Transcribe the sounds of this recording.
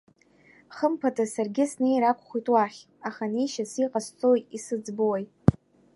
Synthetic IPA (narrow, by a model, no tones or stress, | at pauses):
χəmpʰatʰasarɡʲɪsnejɾakʷʰʼχʷitʼwaχʲ | aχaniʃasiqʼast͡sʼojtʼisɨd͡zbɨwajtʼ